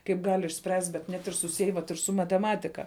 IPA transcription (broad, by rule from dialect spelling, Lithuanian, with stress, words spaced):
kɐɪp ˈɡɐlʲ ɪʃʲˈsʲpʲrʲæːsʲtʲ bʲɛt ˈnʲɛt ɪr sʊˈsʲiɛj ʋɐt ɪr sʊ mɐtʲɛˈmɑːtʲɪkɐ